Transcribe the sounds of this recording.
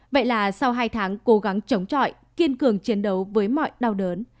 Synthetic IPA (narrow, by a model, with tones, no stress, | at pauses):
və̰˧˨jlaː˨˩sa˧wɦaː˧jt̪ʰaː˨˦ŋko˨˦ɣa˨˦ŋt͡ɕə˨˦wŋ͡mt͡ɕɔ̰˧˨j | ki˧ənkɨ˨˩əŋt͡ɕi˨˦ənɗə˨˦wvəː˨˦jmɔ̰˧˨jɗa˧wɗəː˨˦n